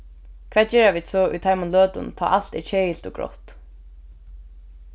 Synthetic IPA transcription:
kʰv̥ɛːt̪̚t͡ɕɛːɾaviːd̪sɔʔṵt̪ʰajmʊnlœːt̪ʊ̰nt̪ʰa̰ːʔal̥t̪ɛt͡ɕʰeːjɪlt̪ɔɡɾɔ̰ht̪

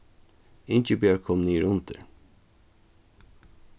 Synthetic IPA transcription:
ɪnt͡ʃəbjɑːkʰɔmniːɾʊnt̪ʰə̰ɾ

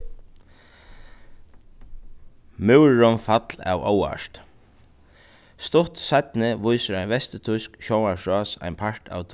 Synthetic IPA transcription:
mɪwɹɔnfat̪la̰ːwɔ̰wa̰ʂt̪ | st̪ʊht̪sajt̪nɪʋʊjsəɾajnvɛst̪ɪt̪ʰʊjskʃɔwanʂɔːsa̰jnpʰaɹt̪a̰wt̪ʰ

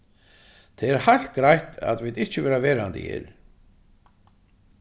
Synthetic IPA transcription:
t̪ʰɛɛɾhajl̥t̪ɡɾajht̪ʰa̰ðvɪðɪht͡ɕɪvɛːɾavɛːɾant̪ɪ̰jɛ̰ɾ

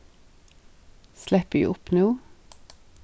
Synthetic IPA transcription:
slɛpʉ̰ːʔʊpnuː

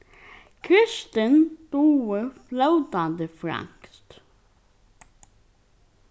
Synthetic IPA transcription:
kʰɾɪʃt̪ənd̪̥uːəflœʉt̪ɑnd̪əfɾɑ̰ŋkst̪

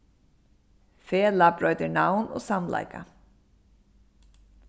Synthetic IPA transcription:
feːlapɾɔʏt̪ɪnawno̰ːsamla̰jka̰

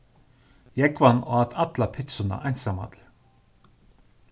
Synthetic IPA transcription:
jɛkvanɔat̪ʰat̪lapʰɪt̪sʊna̰ʔajnsama̰t̪ʰl

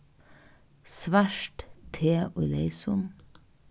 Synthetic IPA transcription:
sʋæʃʈt̪ʰeːʔʊleɪsʊn

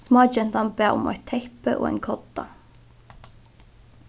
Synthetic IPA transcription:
smɑːd͡ʒɛnd̪ɑnbeːʊ̰mɑ̰ɪt̪ʰɛɪpəʔo̰ːḛːŋkʰɔd̪̥ɑ̰

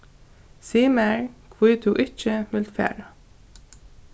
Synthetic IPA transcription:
siːmæɹkʰwiːt̪ʰuːʔɪt͡ʃəmɪlt̪fæ̰ːɹɑ

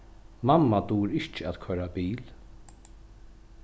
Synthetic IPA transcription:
mamːad̪uːɾɪht͡ʃɪæt̪kʰœɾabiːl

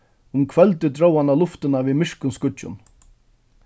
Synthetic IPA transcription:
ʊmkʰvœlt̪ɪt̪ɾowanalʊft̪ɪnaviðmɪʂkʊnskʊt͡ɕːʊ̰n

